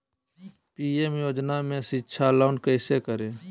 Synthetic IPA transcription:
piːemjoːd͡ʒnamẽsɪtːʃʰalaːnkəɪsekəɾẽː

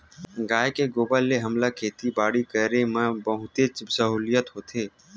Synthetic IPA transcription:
ɡaːjkeɡoːbalːeɦɐmlakʰeːt̪ibaːɽikəɾemə̃bɐɦʊt̪et͡ʃsəɦuːlɪjət̪ɦoːt̪ʰeː

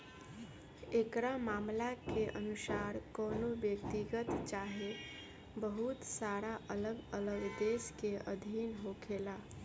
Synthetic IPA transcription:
ekɾamaːmlakeʔənusaːɾkɔːnobjəkt̪iɡət̪t͡ʃaɦe | bəɦut̪saɾaʔələɡələɡd̪eskeəd̪ʱinɦokʰela

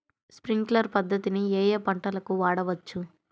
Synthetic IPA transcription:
spɾiŋɡlɐɾpɐd̪ʱːɐt̪inieːjeːpɐɳʈɐlɐkuʋaːɽɐʋɐt͡ʃːu

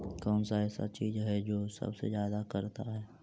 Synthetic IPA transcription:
kɔːnsaɛːsa̰t͡ʃiːzɦɛd͡ʒoːsɐ̰bsḛzjaːd̪akɐɾt̪aɦɛː

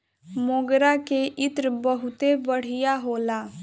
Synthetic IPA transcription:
mõːɡɾakeʔɪt̪ɾbəɦʊt̪ebəɽ̤ijaɦoːlaː

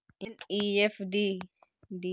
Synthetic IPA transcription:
iniɛfdi | di

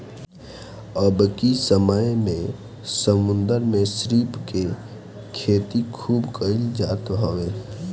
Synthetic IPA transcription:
əbkisəməjmẽ | səmʊ̃nd̪əɾmẽsɾiːpke | kʰeːt̪ikʰuːbkəɪld͡ʒaːt̪ɦoeː

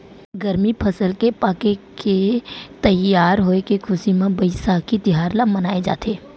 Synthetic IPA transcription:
ɡəɾmipʰɐsəlkepaːkeket̪ɐjjːaːɾɦoekekʰʊsimẽbəɪsakit̪ɪɦaːɾlamənaːed͡ʒa̰ːt̪eː

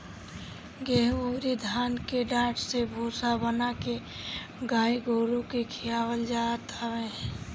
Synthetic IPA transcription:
ɡeɦoːɾid̪ʱaːnkeɖãːʈʰsebʱuːsabənake | ɡaːiɡʱoːɾõkekʰijaːwəld͡ʒaːt̪əʋẽ

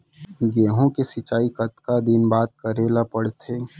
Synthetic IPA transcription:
ɡeːɦõkesɪt͡ʃaːikɐt̪kad̪ɪnbaːt̪̚kɐɾeːlapɐɽt̪ʰeː

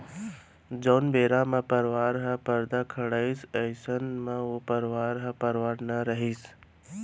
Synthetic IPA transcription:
d͡ʒoːnbeːɾamẽpəɾʋaːɾɦə̃pəɾd̪akʰɐɽaːisəɪsənmãopɐɾʋaːɾɦãpɐɾʋaːɾnaɾəɦis

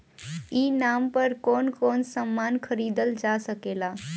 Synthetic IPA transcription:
iːnampəɾkoːnkoːnsəmːankʰəɾiːd̪əld͡ʒasəkeːla

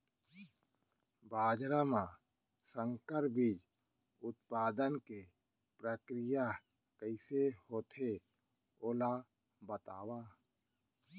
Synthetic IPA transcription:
baːd͡ʒɾamã | sə̃ŋkəɾbʱid͡ʒ | ʊt̪̚paːd̪ənke | pɾəkɾɪja | kəɪsehoːt̪ʰe | oːla | bət̪aːwaː

